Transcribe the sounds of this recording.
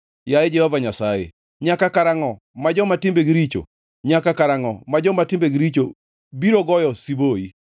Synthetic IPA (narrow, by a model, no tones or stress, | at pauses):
jaed͡ʒɛhɔvaɲasajḛ | ɲakakaɾaŋɔ | mad͡ʒɔmatɪmbeɡiɾit͡ʃo̰ | ɲakakaɾaŋɔ̰mad͡ʒɔmatɪmbeɡɪɾit͡ʃo | biɾoɡɔjɔsiboi